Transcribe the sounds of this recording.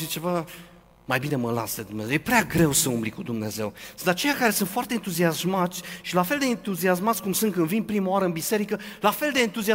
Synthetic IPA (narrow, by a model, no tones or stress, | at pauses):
et͡ʃe̞va | majbine̞məla̰sd̪ed̪umnezewjepɾeaɡɾe̞wsəumblikud̪umne̞ze̞wsɨnt̪at͡ʃe̞jakaɾe̞sɨnt̪foart̪eːnt̪uziasmat̪sʲʃilafe̞ld̪e̞ːnt̪uzias̬mat̪sʲkumsɨnt̪kɨnvinpɾimawaɾəɨnbise̞ɾikəlafe̞ld̪e̞ːnt̪uzia